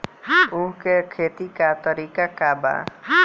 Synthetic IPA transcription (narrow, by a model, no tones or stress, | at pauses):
ʊɦkekʰeːt̪ikat̪əɾiːkakaba̰